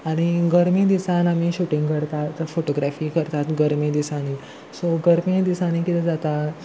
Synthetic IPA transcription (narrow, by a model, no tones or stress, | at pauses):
aɽ̃iɡəɾmid̪isanamiɕuʈiŋɡkəɾt̪at̪foʈoɡɾæfiːkəɾt̪at̪ɡəɾmid̪isani | soɡəɾmid̪isañikit̪ɛd͡zat̪a